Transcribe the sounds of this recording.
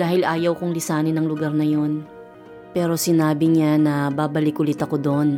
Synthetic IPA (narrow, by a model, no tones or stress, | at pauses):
d̥̪aːhɪlʔaːjɐwkoŋlɪsaːnɪnɐŋlʊɡaɾnɐjo̞n | pɛːɾo̞sɪnaːbɪɲanɐbaːbɐlɪkʔʊlɪt̪ɐko̞d̪on